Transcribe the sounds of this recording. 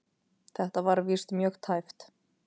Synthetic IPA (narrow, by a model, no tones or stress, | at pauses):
θɛht̪avaɾvist̪mjœːxt̪ʰajft̪